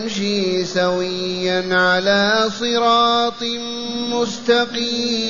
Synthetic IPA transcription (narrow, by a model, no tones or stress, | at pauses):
mʃiːsawɪjːanʕalaːsˤɨɾɑːt̪ˤ | mʊst̪ɑqiː